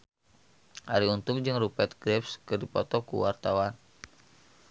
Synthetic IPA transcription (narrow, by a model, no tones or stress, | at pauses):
haɾiunt̪ʊŋd͡ʒɨŋrupɛt̪̚ɡɾɛpskɨrdipɔt̪ɔkṵwart̪awan